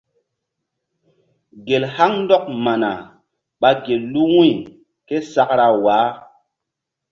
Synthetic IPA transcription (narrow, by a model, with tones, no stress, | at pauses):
ɡe˨lha˦ŋn˦dɔ˦k̚ma˨na˨ | ɓa˦ɡe˨llu˦wũ˦j | ke˦sa˦kɾa˨waː˨˦